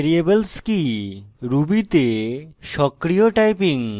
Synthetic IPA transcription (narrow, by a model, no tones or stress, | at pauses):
ɾiebelskiɾubit̪eʃɔkɾijoʈajpiŋ